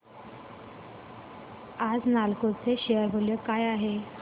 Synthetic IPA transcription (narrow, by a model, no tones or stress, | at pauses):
ad͡znalkot͡seɕeəɾbʱoljəkajaɦe